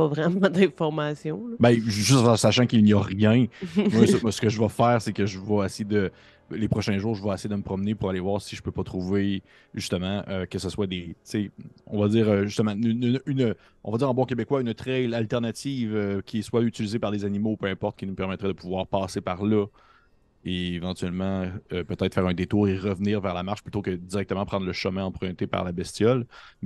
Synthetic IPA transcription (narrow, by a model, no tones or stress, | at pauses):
pɔvʁɛmɑ̃d̪ɛ̃fɔʁmasjɔ̃bɛʒʏst̪ɑsaʃɑ̃kilnijɔʁjɛ̃mamasə̥kəʒəvʌfɛːʁsekəʒəvɔesejed̪ə | lepχɔʃɛ̃ʒuːʁʒəvʌesejed̪əməpχɔmnepuʁalevwaːʁsiʒə̥pøpɔt̪χuve | ʒyst̪əmɑ̃ʔøkəsəswad̪et͡seɔ̰̃vadd͡ziːʁøʒyst̪əmɑ̃nnnyn | ɔ̃vadd͡ziːʁɑ̃bɔ̃kʲebekwaynt̪χɛlalt̪ɛʁnat̪iːvøkʲʰiɛswayt͡silizepaʁlezanimoupøɛ̃pɔʁt̪̚kʲinupɛʁmɛt̪ʁɛd̪əpuvwaːʁpɑːsepaʁlɔ | eːvɑ̃t̪yɥɛlmɑ̃øpət̪ɛɪt̪fɛːʁɛ̃d̪et̪uːʁeʁəvniːʁvɛːʁlamaʁʃplyt̪okəd̪iʁɛkt̪əmɑ̃pχɑ̃d̪ʁləʃəmɛ̃ɑ̃pχɛ̃t̪epa̰ʁlabɛst̪jɔl